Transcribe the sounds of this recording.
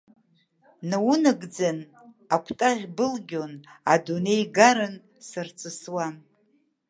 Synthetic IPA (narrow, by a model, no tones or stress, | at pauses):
nawunɨɡd͡zan | akʷʰtʼaʁʲbɨlɡʲona̰dune̞jɡaɾɨn | sɨrt͡sʼɨswa